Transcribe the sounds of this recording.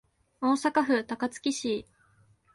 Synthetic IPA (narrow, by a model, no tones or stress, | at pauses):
o̞ːsakaɸɯ̟t̪akat͡sɨ̥kʲiɕiː